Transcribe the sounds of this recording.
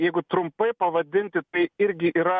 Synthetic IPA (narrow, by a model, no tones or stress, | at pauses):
jɛɪɡʊt̪ɾʊmpɐɪpɐʋɐd̪ʲɪnʲt̪ʲɪt̪ɐɪɪɾʲɡʲɪʔiːɾɐ